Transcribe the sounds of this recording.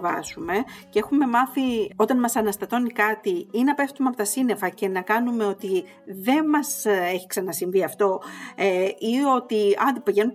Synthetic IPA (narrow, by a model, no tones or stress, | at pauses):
vɐsume̞cee̞xume̞mɐθio̞t̪ɐnmɐsɐnɐst̪ɐt̪o̞nikɐt̪iinɐpe̞ft̪umeɐpo̞t̪ɐsine̞fɐce̞nɐkɐnume̞o̞t̪i | ðe̞nmɐse̞çi̥ksɐnɐsiɱviɐft̪o̞eio̞t̪iɐnd̪ipiʝe̞nu